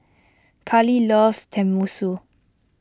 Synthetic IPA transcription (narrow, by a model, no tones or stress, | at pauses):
kʰalilɔst̪ʰɛmusu